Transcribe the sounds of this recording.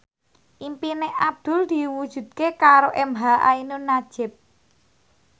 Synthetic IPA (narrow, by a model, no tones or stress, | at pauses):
ʔimpineʔab̚d̪̥ʊ̤ld̪̥i̤wud̥ʒ̥ṳd̪̚kekaɾoʔɛmɦaʔa̰inunad̥ʒ̥ɪ̤p̚